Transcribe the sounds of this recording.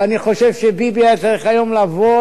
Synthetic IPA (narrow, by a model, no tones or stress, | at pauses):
aniχo̞ʃevʃebibiat͡saʁiχajo̞mlavo